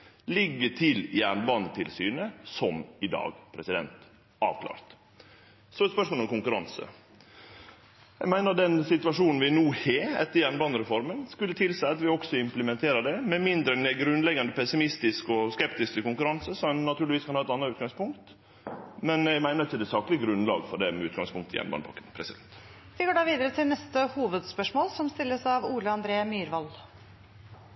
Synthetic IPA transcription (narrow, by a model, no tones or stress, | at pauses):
lɪɡːəʈʰɪljæɳbɑnət̪ʰɪlsyːnəsɔmɪd̪ɑ̰ːɡpʰɾɛsɪd̪ɛ̰nt̪ | ʔɑ̰ːʋkʰlɑ̰ːɾt̪ | sɔɛspœʂmoːlɔmkʊŋkʉɾɑnsə̰ | jæ̰ɪmæɪnəɾd̪ɛnsɪt̪ʉɑʂuːnn̩ʋɪnuːheːɛ̰t̪ːəɾjæːɳbɑnəɾɛfɔɾmənskʉlːət̪ʰɪlsæɪɑt̪ʋɪɔksɔɪmpləmɛnt̪ʰeːɾəd̪ɛmɛmɪnd̪ɾənɛɡɾʉnlɛɡːɑnd̪əpʰɛsɪmɪst̪ɪskɔskɛpt̪ɪskəkʊŋkʉɾɑnsəsɔmnɑt̪ʰʉːlɪʋiːskʰɑnhɑːɛt̪ɑnːɑɾʉːt̪̚ɡɑŋspʊŋkt̪ | mɛnæɡmæɪnəɾɪçːəd̪ɛːsɑːklɪɡəɡɾʉnlɑ̰ːɡfɔɖɛmɛʉːt̪ɡɑ̰ŋspʰʊŋk̚t̪ʰəjɛ̰nbɑ̰nəpʰɑ̰kːənpʰɾɛsɪd̪ɛnt̪ | ʋɪɡoːɖɑːʋiːd̪əɾət̪ʰɪlnɛst̪əhuːʋəd̪spœʂmoːlsɔmst̪ɪlːəsɑʋuːləɑnd̪ɾeːmyːɾʋɑl